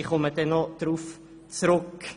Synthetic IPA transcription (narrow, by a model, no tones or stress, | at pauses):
iχɔmədɛnːɔd̥ɾuːf | t͡sɾʉk